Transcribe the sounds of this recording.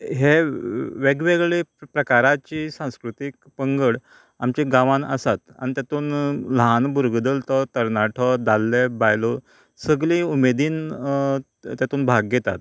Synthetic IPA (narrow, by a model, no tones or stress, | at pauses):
ɦeʋeɡʋeɡɭepɾəkaɾat͡ɕiːsãw̃skɾut̪ik̚ | pəŋɡəɽ | a̰mt͡ɕeɡãʋãnə̰sat̪a̰ɽ̃it̪jat̪uːnlanbuɾɡd̪əlt̪ɔt̪əɾnaʈʰəd̪alːebajlo | səɡliːumed̪iːn | t̪jat̪uːnbʱaɡːet̪a̰t̪̚